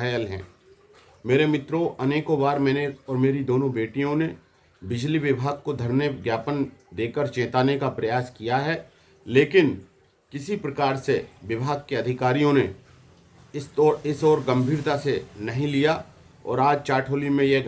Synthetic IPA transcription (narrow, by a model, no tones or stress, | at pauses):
əjəlɦɛ̰̃ː | meːɾemɪt̪ɾoʔɐneːkõbaːɾmɛ̃ːneɔːɾmeːɾid̪oːnõbeːʈijõne | bɪd͡ʒliʋɪbʱaːɡ̚kod̪ʱɐɾnəɡjaːpənd̪eːkəɾt͡ʃẽːt̪aːnekapɾɐjaːskijaɦɛ | leːkɪn | kɪsipɾɐkaːɾseʋɪbʱaːɡ̚keɐd̪ʱɪkaːɾijõne | ɪst̪ɔːɾɪsɔːɾɡɐ̃mbʱiːɾt̪asenɐɦĩlija | ɔ̰ːɾaːd͡ʒt͡ʃaːʈʰoːlimẽje